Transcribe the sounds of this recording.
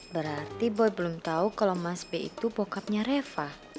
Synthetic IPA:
bəɾart̪ibɔjbəlumt̪aukalawmasbeḭt̪upokap̚ɲaɾefah

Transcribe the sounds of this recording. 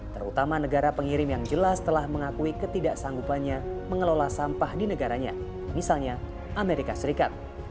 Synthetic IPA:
t̪əɾṵt̪amanəɡaɾapəŋiɾɪmjaŋd͡ʒəlast̪əlahməŋakuikət̪idaʔsaŋɡupanɲaməŋəlolasampahdinəɡaɾaɲa̰ | misalɲa | ʔameɾikasəɾikat̪̚

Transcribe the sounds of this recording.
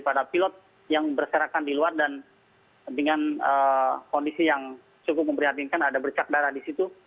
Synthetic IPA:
padapilɔt̪̚ | jaŋbərsəɾakandiluardan | dəŋanəkɔndisijaŋ | t͡ʃukʊp̚məmpəɾiɦat̪̬inkanadabərt͡ʃak̚daɾahdisit̪u

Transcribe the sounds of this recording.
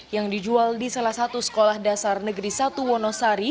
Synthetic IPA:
jaŋdid͡ʒualdisalahsat̪usə̥kolahdasarnəɡɾisat̪uwɔnɔsaɾi

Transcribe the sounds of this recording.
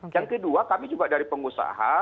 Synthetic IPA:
jaŋkəduakamid͡ʒuɡaʔdaɾipəŋusa̰ɦa

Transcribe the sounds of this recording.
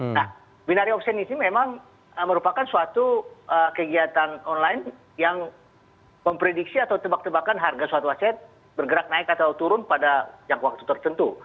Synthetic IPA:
nah | binaɾiɔpsɛnisimemaŋ | əməɾupakansuat̪uəkəɡiat̪anɔnlaɪn | jaŋ | məmpɾedik̚siat̪awt̪əbak̚t̪əbakanɦarɡasuat̪uasɛt̪̚ | bərɡəɾak̚naɪkat̪awt̪uɾʊnpadad͡ʒaŋkwak̚t̪ut̪ərt̪ənt̪u

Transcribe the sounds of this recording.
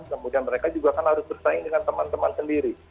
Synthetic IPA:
kəmudianməɾekad͡ʒuɡaːkanhaɾʊsbərsaɪŋdəŋant̪əmant̪əmansəndiɾi

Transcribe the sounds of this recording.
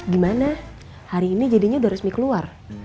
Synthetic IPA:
ɡimana | haɾiːnid͡ʒadiɲaudaɾʊsmikəluar

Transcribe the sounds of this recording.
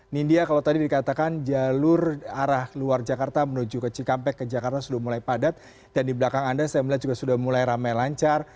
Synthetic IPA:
nindiakalawt̪adidikat̪akand͡ʒalʊraɾahluard͡ʒakart̪amənud͡ʒukət͡ʃikampɛkːəd͡ʒakart̪asudahmulajpadat̪̚ | d̥andibəlakaŋandasajamlad͡ʒuɡasudahmulajɾamajlaɲt͡ʃar

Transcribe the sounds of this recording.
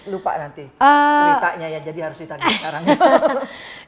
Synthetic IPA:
lupa̰ʔnant̪iəiaʔɲajad͡ʒadihaɾʊsdit̪aɡikaɾaŋ

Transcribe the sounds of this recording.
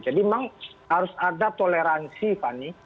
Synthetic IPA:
d͡ʒadimaŋhaɾʊsadat̪oleɾansipani

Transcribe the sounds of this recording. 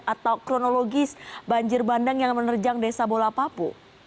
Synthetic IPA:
at̪awkɾonoloɡɪsbaɲd͡ʒɪrbandaŋjaŋmənərd͡ʒaŋdesabolapapṵ

